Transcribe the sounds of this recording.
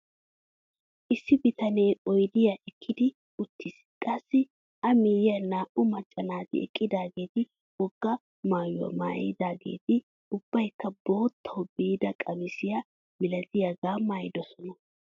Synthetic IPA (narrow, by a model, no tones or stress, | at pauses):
ʔɪsːɪbɪt̪ɐneːɔjd̪ɪjaʔɛkʰːɪd̪ɪ | ʊt̪ʰːɪs | kʼɐsːɪ | ʔɐmɪːjjɐnaːʔʊmɐt͡ʃʼːɐnaːt̪ɪ̰ɛ̰kʼːɪd̪aːɡe̞ːt̪ɪ | wɔɡːɐ | maːjʊwɐ̰ma̰ːjɪd̪aːɡe̞̰ːt̪ɪ | ʊb̥ːɐjkːɐbo̞ːt̪ʰːɐwbiːd̪ɐkʼɐmɪsɪja | mɪlɐt̪ɪjaɡaːmːaːjɪd̪ɔsɔnɐ